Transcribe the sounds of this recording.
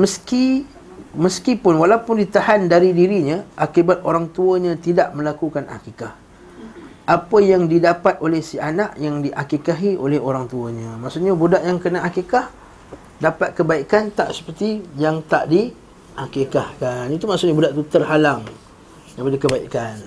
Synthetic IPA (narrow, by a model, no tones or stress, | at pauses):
məski | məskipʊnwalawpʊndit̪ahandaɾidiɾiɲə̃ʔakibat̪̚oɾaŋt̪uəɲãt̪idaʔmə̃lakukanʔa̰kikah | ʔapəjaŋdidapat̪̚ʔolɛhsianaʔjaŋdiʔakikaɦiʔolɛhoɾaŋt̪uəɲãmaʔsuʔɲabudaʔjaŋkənaʔakikah | dapat̪̚kəbaikant̪a̰ʔsə̥pərt̪ijaŋt̪a̰ʔdi | hakikahkanit̪umaʔsʊʔɲabudaʔt̪ut̪ərɦalaŋ | dapadikəbaiʔkan